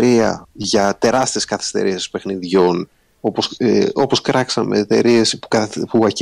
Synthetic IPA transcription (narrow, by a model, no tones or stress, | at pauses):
ɾiɐ̰ʝɐt̪e̞ɾɐst̪ie̞skɐθi̥st̪e̞̰ɾisi̥spe̞xniðʝo̞n | opoo̞po̞skɾʔɐksɐme̞̰ːt̪e̞̰ɾie̞spukɐpuɣɐc